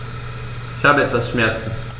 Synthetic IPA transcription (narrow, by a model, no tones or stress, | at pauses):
ɪçhaːbəɛtv̥asʃmɛɐt͡sn̩